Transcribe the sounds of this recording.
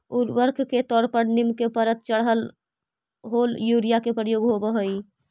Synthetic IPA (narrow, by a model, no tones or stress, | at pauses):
uɾʋəɾkʰket̪ɔɾpəɾnimkepəɾət̪̚t͡ʃəɽɦəl | ɦoljuɾijakepɾəjoɡɦobəɦoj